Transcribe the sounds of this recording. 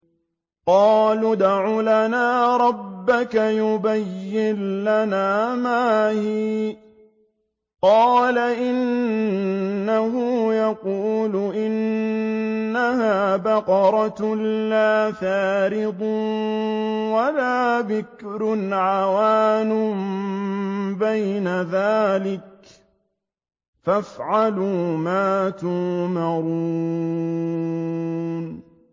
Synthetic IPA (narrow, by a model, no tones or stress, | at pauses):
qɑːlʊd̪aʕuːlanaːɾˤɑbːakajʊbajːɪnlanaːmaːhiː | qɑːlaʔɪn | aɦʊjɑquːlʊʔɪnː | aɦaːbaqɑɾˤɑt̪laːθaːɾɪd̪ˤ | walaːbɪkɾʊnʕawaːnʊm | bajnaðaːlɪk̚ | fafʕaluːmaːt̪ʊmɑɾuː | n